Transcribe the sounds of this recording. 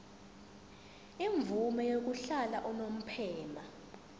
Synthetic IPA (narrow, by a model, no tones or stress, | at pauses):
iɱvumɛjok̬uɬala̰ʔɔnom̩pʰɛːma